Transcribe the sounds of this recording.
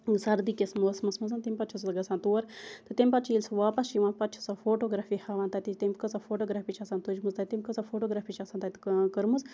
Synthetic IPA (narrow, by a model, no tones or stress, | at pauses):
sɐɾd̪iːkʲesmusmɐsmɐzɐnt̪emʲpɐtt͡ʃʰɐslɡɐsaːnt̪uːɐɾt̪ɨt̪emʲpɐt͡ʃʰiːlsɐʋaːpɐst͡ʃiʋãːpɐtt͡ʃʰu̥safoːʈoːɡɾaːfihaːʋaːnt̪ɐt̪it̪imʲkəsafoːʈoːɡɾaːfiːt͡ʃʰɐsaːnt̪ud͡ʒʲmuzt̪ɐt̪imʲkəzafʰoːʈoːɡɾaːpiːt͡ʃʰɐsaːnt̪at̪kəɾmuz